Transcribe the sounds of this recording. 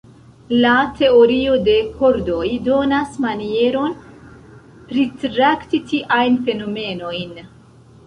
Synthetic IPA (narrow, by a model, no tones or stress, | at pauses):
late̞o̞ɾio̞de̞kʰoɾdo̞jdo̞nasmanie̞ɾo̞n | pɾitɾaktitiʔajnfe̞no̞me̞no̞jn